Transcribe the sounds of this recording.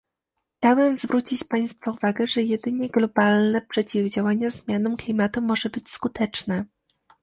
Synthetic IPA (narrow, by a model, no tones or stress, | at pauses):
xt͡ɕawɛmzvɾʔut͡ɕit͡ɕpaj̃st̪fɔuvaɡɛʐɛjɛd̪ɘɲɛɡlɔbalnɛpʂɛt͡ɕivd͡ʑawaɲazmʲjanɔmklʲimat̪umɔʐɛbɘt͡ɕskut̪ɛt͡ʂnɛ